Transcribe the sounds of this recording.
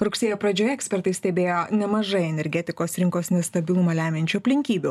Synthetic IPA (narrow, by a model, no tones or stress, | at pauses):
ɾʊksʲeːjoːpɾɐd͡ʒʲoːjɛksʲpʲɛɾt̪ɐɪsʲt̪ʲɛbʲeːjoːnʲɛmɐʒɐɪɛnʲɛɾʲɡʲɛt̪ʲɪkoːsɾʲɪŋkoːsnʲɛst̪ɐbʲɪlˠʊmɐlʲæːmʲɛnʲt͡ʃʲuɐpʲlʲɪŋʲkʲiːbʲu